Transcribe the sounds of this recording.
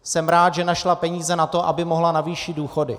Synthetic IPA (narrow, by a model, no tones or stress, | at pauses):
sɛmɾaːt̪ʒɛnaʃlapɛɲiːzɛnat̪o̞ʔabɪmo̞ɦlanaviːʃɪduːxo̞dɪ̰